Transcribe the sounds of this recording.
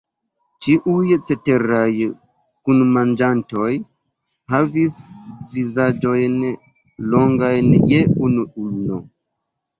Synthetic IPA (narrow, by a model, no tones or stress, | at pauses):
t͡ʃiʔujt͡se̞te̞ɾaj | kunmand͡ʒanto̞j | havisvizad͡ʒo̞jn | lo̞ŋɡajnje̞unuulno